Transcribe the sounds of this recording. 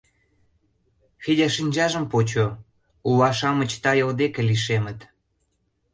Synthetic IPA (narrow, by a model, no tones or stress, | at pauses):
xidʲæʃinʲd͡ʑɑʒə̆mpot͡ɕo | ulɑʃɑmə̆t͡ɕt̪ɑjəld̪ekeliʃemə̆t̪